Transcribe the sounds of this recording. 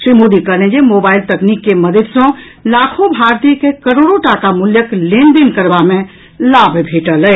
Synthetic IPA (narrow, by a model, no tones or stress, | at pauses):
sɾimod̪ikəɾned͡ʒemobailt̪əknikːeməd̪ʱəd̪sə̃ | lakʰobʱaɾt̪ijəkekəɾoɽoʈakamuljəklend̪inkəɾbame | labʱbʱeʈələ